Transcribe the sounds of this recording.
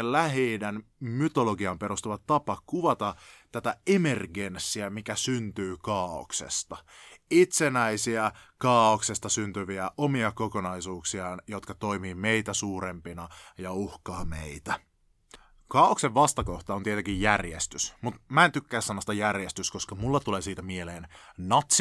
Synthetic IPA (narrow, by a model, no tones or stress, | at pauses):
llæɦeidænmyt̪oloɡiɑmpe̞ɾust̪uʋɑtt̪ɑpɑkuʋɑt̪ɑt̪æt̪æeme̞rɡe̞nsːiæmikæsynt̪yːkɑːo̰ksḛst̪ɑit̪senæisiækɑːokse̞st̪ɑsynt̪yʋiæʔomiɑko̞konɑisuːksiɑnjot̪kɑt̪o̞imiːmeit̪æsuːɾempinɑjɑuhkɑːmḛit̪æ | kɑːokseʋʋɑst̪ɑko̞ht̪ɑont̪iet̪eŋkijjærjest̪ysmut̪mæent̪ykːæːsːɑnːost̪ɑjærjest̪ysko̞skɑmulːɑt̪uleːsiːt̪æmieleːnnɑt̪s